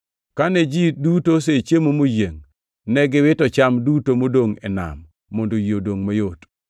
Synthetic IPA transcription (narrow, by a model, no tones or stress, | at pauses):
kanɛd͡ʒidutos̬et͡ʃjemomojeŋ | nɛɡɪwɪtɔt͡ʃamdutomodoŋɛ̰na̰mː | ondojodoŋmojot